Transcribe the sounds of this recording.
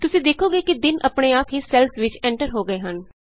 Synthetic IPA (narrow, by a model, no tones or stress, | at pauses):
t̪ʊsĩːd̪eːkʰoːɡeːkid̪ɪnʔə̰pɳeːaːpɦisɛlsʋɪt͡ʃɛ̃ːɳʈəɾɦoːɡəeːɦən